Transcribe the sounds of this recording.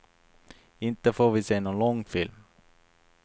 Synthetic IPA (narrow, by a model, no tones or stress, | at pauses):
ɪnt̪əfoːɾvɪseːnoːnlɔŋːfɪlm